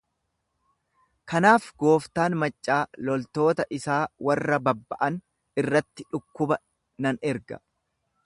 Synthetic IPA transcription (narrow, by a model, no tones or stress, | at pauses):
kɐnaːfɡo̞ːft̪aːnmɐt͡ʃʼːaːlɔlt̪o̞ːt̪ɐʔɪsaːwɐrːɐbɐbːɐʔɐn | ɪrːɐt̪ːɪᶑʊkːʊbɐ | nɐnɛɾɡɐ̥̰